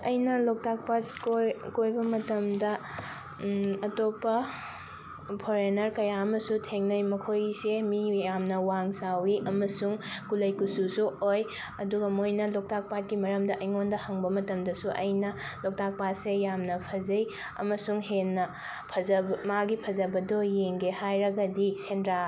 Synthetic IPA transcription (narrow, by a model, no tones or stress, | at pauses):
ɐjnɐlok̚tak̚patkokojbɐmɐtɐmdɐ | ɐtopːɐ | pʰoɾenɐɾkɐjaɐmɐsutʰeŋnɐjmɐkʰojsemijamnɐwaŋsawiʔɐmɐsuŋkulɐjkususuoj | ɐduɡɐmojnɐlok̚tak̚pat̚kimɐɾɐmdɐʔɐjŋondɐhɐŋbɐmɐtɐmdɐsuʔɐ̰jnɐ | lok̚tak̚patsejamnɐpʰɐzɐj | ɐ̰mɐsuŋɦenːɐ | pʰɐzɐbmaɡipʰɐzɐbɐdojeŋɡehajɾɐɡɐdisʰendɾa